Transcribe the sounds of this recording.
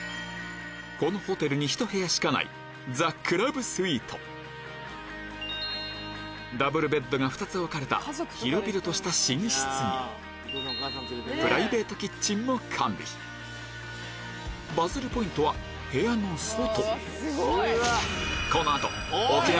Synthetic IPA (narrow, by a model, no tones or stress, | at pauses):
ko̞no̞ho̞t̪e̞ɾɯ̟ɲ̟içi̥t̪o̞he̞jaɕi̥kana̰ḭ | d͡zakʰːɯ̟ɾabɯ̟sɨiːt̪ʰo̞ | d̪abɯ̟ɾɯ̟be̞d̪ːo̞ɡaɸɯ̟t̪at͡sɨβakaɾe̞t̪a̰çiɾo̞bʲiɾɯ̟t̪o̞ɕi̥t̪aɕiɲ̟ĩɕi̥t͡sɨnḭ | pɯ̟ɾaibe̞ːt̪o̞kʲit͡ɕːĩnːo̞kʰãmbʲḭ | bazɨɾɯ̟po̞ĩnt̪o̞βa | he̞janosot̪o | ko̞noat̪o̞̰okʲi